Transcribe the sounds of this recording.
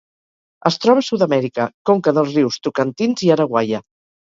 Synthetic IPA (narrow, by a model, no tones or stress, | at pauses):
əst̪ɾɔβ̞əsuwðəmɛɾikəkoŋkəðəlˠzriwst̪ukənt̪inziəɾəɣwajə